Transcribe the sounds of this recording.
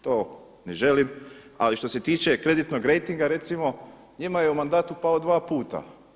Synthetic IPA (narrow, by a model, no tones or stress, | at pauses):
t̪oː | neʒe̞lim | a̰liʃt̪o̞se̞t̪iːt͡ʃe̞kɾe̞d̪it̪noɡɾe̞jt̪iŋɡaɾe̞t̪simo̞ | ɲimajeumand̪aːt̪upaod̪ʋaːpuːt̪a̰